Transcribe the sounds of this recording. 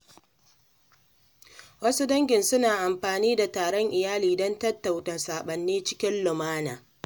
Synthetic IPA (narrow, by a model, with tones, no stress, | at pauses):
wɐ˦su˦dɐ˦ŋɡʲɪ˨nsʊ˦naː˨ʔa˨mɸaː˨niː˦da˨taː˨ɽɔ˦ŋʔɪ˨jaː˦liː˨dɔ˦ntɐ˦tːa˨wtaː˨saː˨ɓɐ˨nːeː˦t͡ʃɪ̥˦kʲɪ˦nlʊ˨maː˦naː˨